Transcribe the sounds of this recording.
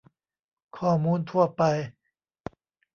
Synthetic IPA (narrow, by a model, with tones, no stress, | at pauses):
kʰɔː˥˩muː˧˥nt̪ʰu˥˩ɐpa˧j